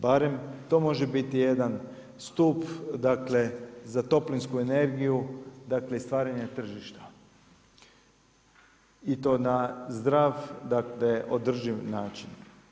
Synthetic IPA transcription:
baɾe̞mt̪o̞mo̞ʒebit̪ije̞d̪an | st̪upd̪akle̞zat̪o̞plinskuene̞ɾɡijud̪akle̞ist̪ʋaːɾaɲet̪r̩ʒiʃt̪ḁ | it̪o̞ːnazd̪ɾaʋd̪akle̞ʔo̞d̪r̩ʒiʋnaːt͡ʃin

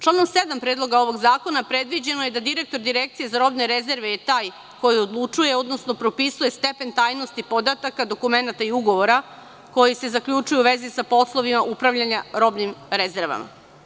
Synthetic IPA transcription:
t͡ʃlˠano̞msed̪ampɾeːd̪lˠo̞ɡao̞ʋo̞ɡzaːko̞napɾe̞d̪ʋid͡ʑe̞noje̞d̪ad̪iɾe̞k̚t̪o̞ɾd̪iɾek̚t̪sije̞zaɾo̞bne̞ɾeze̞ɾʋejet̪aːj | ko̞jio̞d̪lˠut͡ʃuje̞o̞d̪no̞sno̞pɾo̞pisuje̞st̪e̞pe̞nt̪aːjno̞st̪ipo̞d̪at̪akad̪o̞kume̞nat̪aiuɡo̞ʋo̞ɾa | ko̞jise̞zakʎʲut͡ʃujuʋe̞zisapo̞slˠo̞ʋimaʔupɾavʎaɲaɾo̞bnimɾezeɾʋa̰ma̰

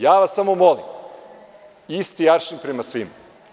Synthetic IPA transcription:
jaːʋasːamomolḭm | ist̪ijaɾʃinpɾemasʋima

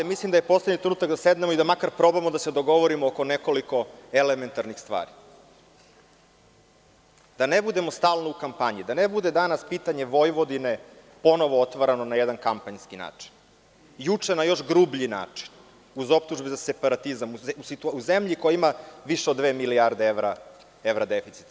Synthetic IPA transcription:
mislimd̪ajepo̞sled̪ɲit̪ɾenuːt̪akd̪ased̪nemo̞id̪amakaɾpɾo̞bamod̪ased̪o̞ɡo̞ʋoɾimooko̞neko̞liko̞eleme̞nt̪aɾnixst̪ʋa̰ːɾi | d̪̥anebud̪e̞most̪aːlˠnoukampaɲid̪anebud̪e̞d̪anaspiːt̪aɲe̞ʋo̞jʋo̞d̪ine | po̞no̞ʋoot̪ʋaɾanonajed̪ankampaɲskina̰ːt͡ʂi̥n | jut͡ʂenajo̞ʃɡɾuːbʎina̰ːt͡ʂi̥n | uzo̞p̚t̪uʒbezasepaɾat̪izamuusit̪uuzemʎikojaimaʋiʃeod̪ːʋeːmiliaɾd̪eeʋɾa | evɾad̪efit̪si̥t̪

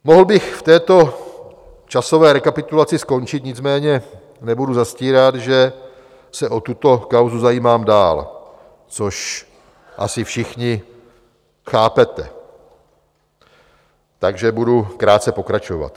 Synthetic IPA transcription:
moɦl̩bɪxft̪ɛːt̪o̞ | t͡ʃaso̞vɛːɾɛkapɪt̪ulat͡sɪsko̞nt͡ʃɪt̪ɲɪt͡smɛːɲɛ | nɛbuduzasciːɾat̪ʒɛ | sɛʔot̪ut̪o̞kawzuzajiːmaːmdaːl | t͡soʃ | ʔa̰sɪfʃɪxɲɪ | xaːpɛt̪ɛ̰ | t̪aɡʒɛbudukɾaːt̪̚t͡sɛpo̞kɾat͡ʃova̰t̪

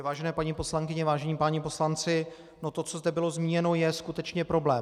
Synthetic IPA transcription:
vaːʒɛnɛːpaɲipo̞slaŋkɪɲɛvaːʒɛɲiːpaːɲɪpo̞slant͡sɪ | not̪ot͡sozd̪ɛbɪlo̞zmiːɲɛno̞jɛskut̪ɛt͡ʃɲɛpɾo̞blɛː

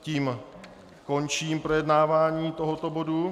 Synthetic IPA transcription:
ciːm | kɔɲt͡ʃiːmpɾɔjɛd̪naːʋaːɲiːt̪ɔɦɔt̪ɔbodu

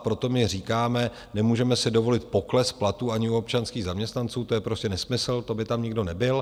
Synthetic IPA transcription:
pɾo̞t̪o̞mɪr̝iːkaːmɛ | nɛmuːʒɛmɛsɪdo̞vo̞lɪt̪̚po̞klɛsplat̪uːaɲɪuop̚t͡ʃanskiːɣzamɲɛst̪nant͡suːt̪o̞jɛpɾoscʲɛnɛsmɪsl̩t̪o̞bɪt̪amɲɪɡdo̞nɛbɪl

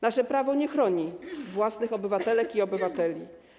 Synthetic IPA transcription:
naʂɛpɾavɔɲɛxɾɔɲivwasnɘxɔbɘvat̪ɛlɛkiɔbɘvat̪ɛlʲi

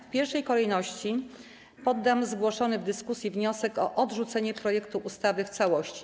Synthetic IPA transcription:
fpʲjɛɾʂɛjkɔlɛjnɔɕt͡ɕi | pɔd̪ːamzɡwɔʂɔnɘvd̪ɘskusʲjivɲɔsɛkɔʔɔd̪ʐut̪sɛɲɛpɾɔjɛkt̪uʔust̪avɘft̪sawɔɕt͡ɕi̥

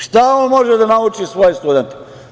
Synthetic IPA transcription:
ʃt̪aoːnmo̞ʒed̪anaut͡ʃisʋo̞jest̪ud̪ent̪

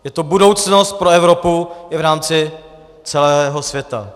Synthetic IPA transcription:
jɛt̪obudo̞wt͡sno̞st̪̚pɾoɛvɾo̞puɪvɾaːmt͡sɪ | t͡sɛlɛːɦo̞svjɛt̪a̰

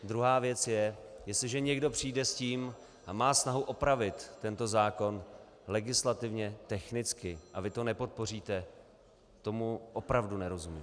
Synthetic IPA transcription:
d̪ɾuɦaːvjɛt͡sjɛjɛst̪lɪʒɛɲɛɡdo̞pr̝̥iːdɛsciːm | ʔamaːsnaɦuʔo̞pɾavɪt̪ːɛnt̪o̞zaːko̞n | lɛɡɪslat̪ɪvɲɛt̪ɛxnɪt͡skɪʔavɪt̪o̞nɛpo̞t̪̚po̞r̝iːt̪ɛ | t̪o̞muʔopɾavdunɛɾo̞zumḭːm

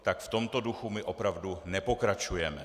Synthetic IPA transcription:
t̪akft̪o̞mt̪o̞duxumɪʔopɾavdunɛpo̞kɾat͡ʃujɛmɛ

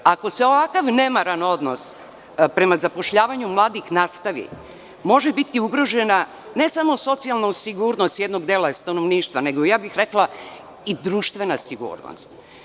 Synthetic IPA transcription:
ako̞se̞o̞ʋakaʋne̞maɾano̞d̪nos | pɾe̞mazapo̞ʃʎaːʋaɲumlˠaːd̪ixnast̪aʋḭ | mo̞ʒebit̪iuɡɾo̞ʒena | ne̞samo̞so̞t̪sialnasiɡuːɾnost̪jed̪no̞ɡd̪elast̪anoʋniːʃt̪ʋane̞ɡojaːbixɾeklˠa | id̪ɾuːʃt̪ʋe̞nasiɡṵːɾno̰st̪

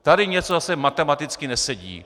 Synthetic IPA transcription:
t̪aɾiɲɛt͡sɔasɛmat̪ɛmat̪ɪt͡skinɛsɛɟḭː

